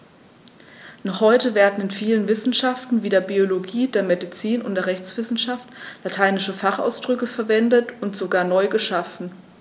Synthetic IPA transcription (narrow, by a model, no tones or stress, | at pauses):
nɔχhɔʏtəveːɐdn̩ɪnfiːlənvɪsn̩ʃaftn̩viːdeːɐbioloɡiːdeːɐmedit͡siːnʊ̰ntd̥eːɐʁɛçt͡sv̥ɪsn̩ʃaftlatʰaɪnɪʃəfaχa̰ʊsd̥ʁʏkəfɛɐvɛndətʊntz̥oɡaːɐnɔʏɡəʃafn̩